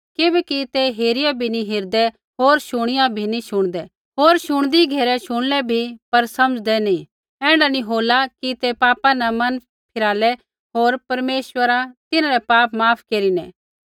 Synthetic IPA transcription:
kɪbɛkit̪eɦeːɾɪjabʱinĩɦɪɾd̪ɛ | ɦoːɾʃʊɽ̃ɪjãbʱinĩʃʊɽ̃d̪ɛ | ɦoːɾʃʊɽ̃d̪iɡʱeːɾɛʃʊɽ̃lɛbʱipɐɾsɐməd͡ʒd̪ɛnĩ | ɛ̃ːɳɖanĩɦoːlakit̪epaːpãnɛmɐn | pʰɪɾaːlɛ | ɦoːɾpɐɾmeːʃwəɾat̪ɪnãɾɛpaːpmaːpʰkeːɾinɛ̰̃ː

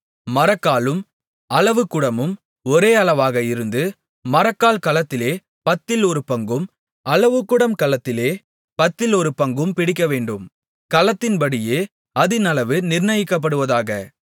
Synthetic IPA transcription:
mɐɾɐkːaːlɯm | ɐlɐʋɯkːɯɽɐmɯm | ɔɾeːɐɭɐʋaːɣɐɪɾɯnd̪ɯ | mɐɾɐkːaːlkɐlɐt̪ːɪleː | pɐt̪ːɪlɔɾɯpɐŋɡɯm | ɐlɐʋɯkːɯɽɐmkɐlɐt̪ːɪleː | pɐt̪ːɪlɔɾɯpɐŋɡɯmpɪɽɪk̬ːɐʋeːɳɖɯm | kɐlɐt̪ːɪnpɐɽɪjeː | ɐðɪnɐlɐʋɯnɪrnɐjɪkːɐp̬ːɐɽɯʋɐðaːɣɐ

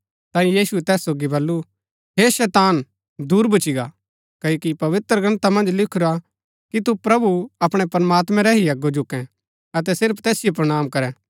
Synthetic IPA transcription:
t̪ãːĩjiːsuɛt̪ɛːsːoːɡibɐlːu | ɦeːʃɛːt̪aːn | d̪uːɾbʱʊt͡ʃiɡa | kɐːoːkipɐʋɪt̪ɾəɡɐ̃nt̪amɐ̃nd͡ʒlɪkʰʊɾa | kit̪upɾɐbuɐpɽ̃ɛpɐɾmaːt̪mɛ̃ɾɛɦiɐɡːod͡ʒʊkːɛ̃ | ɐt̪̬ɛsɪɾpʰt̪ɛːsɪjop̬ɾɐɽ̃aːmkɐɾɛ

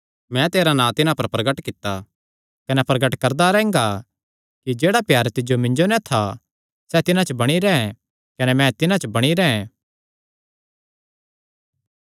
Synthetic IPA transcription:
mɛ̃t̪eːɾanãːt̪ɪnãpɐɾpɾɐɡəʈkɪt̪ːa | kɐnɛpɾɐɡəʈkɐɾd̪aɾɛ̃ːŋɡa | kid͡ʒeːɽapjaːɾt̪ɪd͡ʒjomɪ̃ɲd͡ʒonɛt̪ʰa | sɛt̪ɪnãt͡ʃəbɐɽ̃iɾɛɛ̃ | kɐnɛmɛ̃t̪ɪnãt͡ʃəbɐɽ̃iɾɛːɛ̃

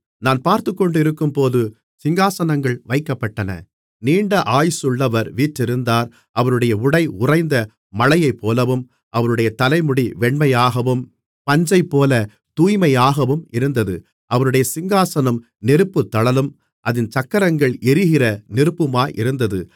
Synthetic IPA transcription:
naːnpaːɾt̪ɯkːɔɳɖɯɪɾɯkːɯmpoːðɯ | sɪŋɡaːsɐnɐŋɡɐɭʋɐɪkːɐpːɐʈːɐnɐ̰ | niːɳɖɐʔaːjsɯɭːɐʋɐɾʋiːʈɾɪɾɯnd̪aːɾ | ʔɐʋɐɾɯɽɐjɐʊɽɐɪʊrɐɪnd̪ɐ | mɐɭɐjɐɪpːoːlɐʋɯm | ʔɐʋɐɾɯɽɐjɐt̪ɐlɐɪmʊɽiʋɛɳmɐjaːɣɐʋɯm | pɐɲd͡ʒɐɪpːoːlɐ | t̪uːjmɐjaːɣɐʋɯmɪɾɯnd̪ɐðɯ | ʔɐʋɐɾɯɽɐjɐsɪŋɡaːsɐnɐm | nɪɾɯpːɯt̪ːɐɭɐlɯm | ʔɐðɪnt͡ʃɐkːɐɾɐŋɡɐɭɛɾɪɣɪrɐnɪɾɯpːɯmaːʔɪɾɯnd̪ɐðɯ

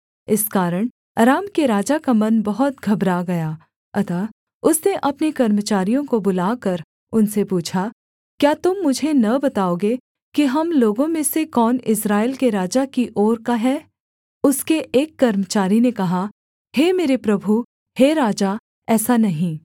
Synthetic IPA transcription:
ɪskaːɾəɽ̃ | ɾaːmkeɾaːd͡ʒakamɐnbɐɦʊt̪̚ɡʱɐbɾaɡɐjaː | ɐt̪aː | ʊsneʔɐpnekɐɾmət͡ʃaːɾijõkobʊlaːkɐɾ | ʊnsepuːt͡ʃʰa | kjaːt̪ʊmːʊd͡ʒʱenɐbɐt̪aːoːɡe | kiɦɐmloːɡõmẽsekɔːnɪsɾaːɪlkeɾaːd͡ʒakiʔɔːɾkaɦɛː | ʊskeʔeːkːɐɾmət͡ʃaːɾinekɐɦa | heːmeːɾepɾɐbʱu | heɾaːd͡ʒa | ɛːsanɐɦĩ

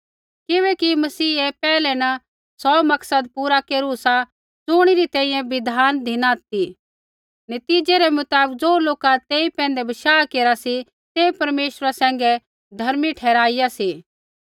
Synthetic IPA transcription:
kɪʋɛkimɐsiːepɛːlɛnɐ | sɔmɐksəd̪̚puːɾakeːɾusa | d͡zʊːɽ̃iɾit̪ɛ̃ːĩjɛ̃ʋɪd̪ʱaːnd̪ʱɪnaːt̪i | nɐt̪iːd͡ʒeɾɛmʊt̪aːbək̚d͡ʒoːloːkat̪eːipɛ̃ːnd̪ɛbɐʃaːkeːɾasi | t̪eːpɐɾmeːʃɾasɛ̃ːŋɡɛ | d̪ʱɐɾmiʈʰɛːɾaːɪjasiː

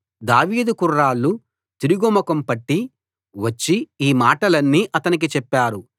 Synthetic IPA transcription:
d̪aːʋiːd̪ukurːaːlːu | t̪iɾuɡɔmɐkɐmpɐʈːi | ʋɐt͡ʃːiiːmaːʈɐlɐnːiːʔɐt̪ɐnik̬it͡ʃɛpːaːɾu

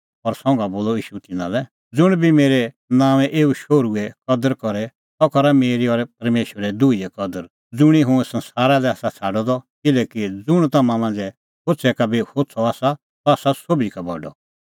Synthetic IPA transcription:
ɔɾsɔ̃ŋɡaboːlɔiːʃut̪ɪnã̰lɛ | d͡zʊɽ̃bʱimeːɾɛ | nãːʋɛ̃ʔeːuʃoːɾuɛkɔd̪əɾkɔɾɛ | t̪ɔkɔɾameːɾiɔɾɛp̚ɐɾmeːʃʋəɾɛd̪uiɛkɔd̪əɾ | d͡zʊɽ̃iɦʊ̃ɛsɐ̃nsaːɾalɛaːsat͡sʰaːɖɔd̪ɔkɪlɛːkid͡zʊɽ̃t̪ɐmãmãːnd͡zɛ | hot͡sʰɛkabihot͡sʰɔaːsa | t̪ɔaːsasoːbikabɔ̰ɖɔ̰

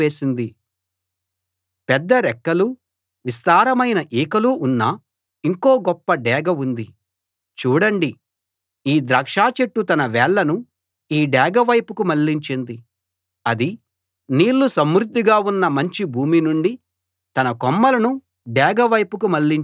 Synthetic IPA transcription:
eːsind̪i | pɛd̪ːɐɾɛkːɐlu | ʋis̬t̪aːɾɐmɐjnɐʔiːkɐluʔunːɐ | iŋko̞ːɡɔpːɐɖɛːɡɐund̪i | t͡ʃuːɽɐɳɖi | iːd̪ɾɐːkʂaːt͡ʃeʈːut̪ɐnɐʋɛːɭːɐnu | iːɖɛːɡɐʋɐjpukumɐɭːiɲt͡ʃind̪i | ɐd̪i | niːlːusɐmɾud̪ːiɡaːunːɐmɐɲt͡ʃibʱuːminuɳɖi | t̪ɐnɐkɔmːɐlɐnu | ɖɛːɡɐʋɐjpuk̬umɐɭːiɲ

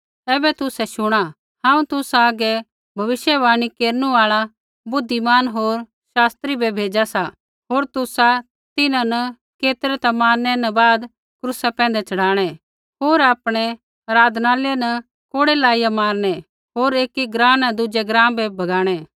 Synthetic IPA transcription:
ɛːbɛt̪ʊsɛʃʊɽ̃a | hãːũt̪ʊsaːɡɛ | bʱɐʋɪʃjɛʋaːɽ̃ikeːɾnuaːɭa | bʊd̪ʱːimaːnɦoːɾ | ʃaːst̪ɾibʱɛbʱeːd͡ʒasa | ɦoːɾt̪ʊsa | t̪ɪnãnɐ | keːt̪ɾɛt̪amaːɾnɛnɐbaːd̪ | kɾʊsapɛ̃ːnd̪ɛt͡ʃɐɽaːɽ̃ɛ | ɦoːɾaːpɽ̃ɛ | ɾaːd̪naːljanɐ | koːɽelaːɪjamaːɾnɛ | ɦoːɾeːkiɡɾãːnɐ̃d̪ʊd͡ʒɛɡɾãːmbɛbʱɐɡaːɽ̃ɛ

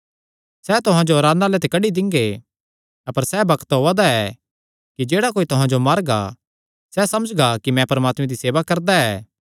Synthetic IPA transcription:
sɛt̪ʊɦãd͡ʒoɐɾaːd̪naːlɛt̪̬ɪkɐɖid̪ɪ̃ŋɡe | ɐpəɾsɛbɐkt̪ɦoːad̪aɛ | kid͡ʒeːɽakoːit̪ʊɦãd͡ʒomɐɾɡa̰ | sɛsɐməd͡ʒɡakimɛ̃pɐɾmaːt̪mẽd̪iseːʋakɐɾd̪aɛː

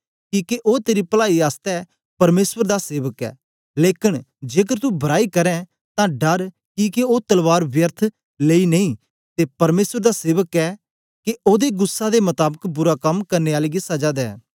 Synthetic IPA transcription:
kiːkeʔoːt̪eːɾipəlaːiaːst̪ɛː | pɐɾmeːswəɾd̪aseːʋəkɛ̰ː | leːkɪn | d͡ʒeːk̬əɾt̪ubʱɐɾaːikɐɾɛ̃ | t̪ãɖɐɾ | kiːkeot̪ɐlʋaːɾbjəɾt̪ʰ | leːinɐĩː | t̪epɐɾmeːswəɾd̪aseːʋəkɛː | keoːd̪eɡʊsːad̪emɐt̪aːbəkbʊɾakɐmkɐɾneːaːleɡisɐd͡ʒad̪ɛ̰ː

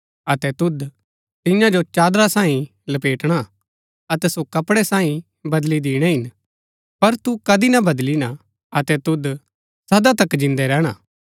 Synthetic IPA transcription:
ɐt̪ɛt̪ʊd̪ | t̪ɪjãd͡ʒot͡ʃaːd̪ɾasaːĩ | lɐpeːʈɽ̃a | ɐt̪ɛsokɐpɽɛsãːĩ | bɐd̪lid̪ɪːɽ̃ɛɦɪn | pɐɾt̪ukɐd̪inabɐd̪lina | ɐt̪ɛt̪ʊd̪ | sɐd̪at̪̬ɐkd͡ʒɪ̃nd̪ɛɾɛːɽ̃aː

